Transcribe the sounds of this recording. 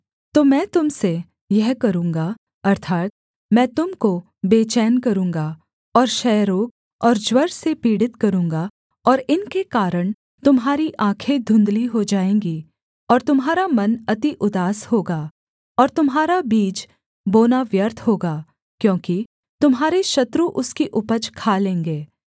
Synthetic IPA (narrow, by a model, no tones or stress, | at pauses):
t̪oːmɛ̃ːt̪ʊmse | jɛɦkɐɾũːŋɡa | ɐɾt̪ʰaːt̪̚ | mɛ̃ːt̪ʊmko | beːt͡ʃɛːnkɐɾũːŋɡa | ɔːɾʃɛːɾoːk̚ | ɔːɾd͡ʒwɐɾsepiːɽɪt̪kɐɾũːŋɡa | ɔːɾɪnkekaːɾəɽ̃ | t̪ʊmɦaːɾiʔãːkʰed̪ʱʊ̃nd̪liɦod͡ʒaːẽːŋɡi | ɔːɾt̪ʊmɦaːɾamɐnɐt̪iʔʊd̪aːshoːɡaː | ɔːɾt̪ʊmɦaːɾabiːd͡ʒ | boːnaʋjəɾt̪ʰhoːɡaː | kjõːki | t̪ʊmɦaːɾeʃɐt̪ɾuʔʊskiʔʊpət͡ʃkʰaːlẽːŋɡeː